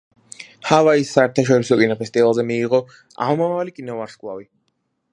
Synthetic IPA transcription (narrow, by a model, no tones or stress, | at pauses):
havaisːaɛɾt̪ʰaʃɔɾisɔkʼinɔpʰɛst̪ʼivalˠzɛmiːʁɔ | a̰mɔmavvalikʼinɔvaɾʃkʼwavi